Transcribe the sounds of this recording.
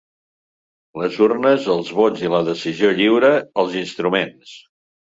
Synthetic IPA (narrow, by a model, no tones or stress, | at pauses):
ləzurnəzəlˠzβod͡ziləðəsizioʎiwɾəəlˠzinst̪ɾumens